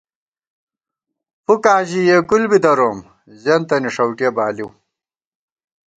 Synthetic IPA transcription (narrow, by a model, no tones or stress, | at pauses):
fukaːʑijekulbid̪ɐɾoːm | ʑɐnt̪ɐniʂɐwʈiebaːliw